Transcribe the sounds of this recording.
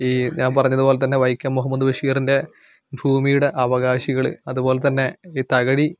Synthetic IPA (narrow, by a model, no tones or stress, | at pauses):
iːɲaːnpɐrɐɲːɐðubo̞ːlet̪ɐnːe̞ʋɐjkʲːɐmːuɦɐmːɐd̪ubɐʂiːɐrinde̞ | bʱuːmijuɽe̞ʔɐʋɐɣaːɕiɣɐɭɨ̰ɐðubo̞ːle̞t̪ɐnːe̞iːt̪ɐɣɐɽi